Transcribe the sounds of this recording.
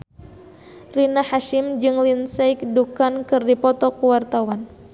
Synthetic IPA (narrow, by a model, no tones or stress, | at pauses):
rinahaʃɪmd͡ʒɨŋlinsɛjk̚dukankɨrdipɔt̪ɔkuwart̪awan